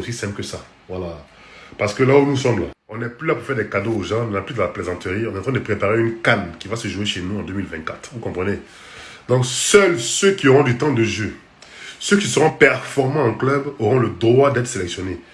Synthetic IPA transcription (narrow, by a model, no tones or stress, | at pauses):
osisɛ̃pkəsa | vwala | paʁsə̥kəlaunusɑ̃blɔ̃nɛplylapuʁfɛʁd̪ɛkad̪oːʒɑ̃nɛplyd̪əlaplezɑ̃t̪əʁiɔ̃nɛtɑ̃t̪ʰχɛ̃d̪əpχepaʁeynkankʲivasəʒueʃenuɑ̃d̪ømilvɛ̃t̪̚kat̪χvukɔ̃pχəne | d̪ɔ̃ksœlsøkʲioʁɔ̃d̪yt̪ɑ̃d̪əʒø | søkʲisəʁɔ̃pɛʁfɔʁmɑ̃ɑ̃klœboʁɔ̃ləd̪ʁwad̪ɛt̪χə̥selɛksjɔne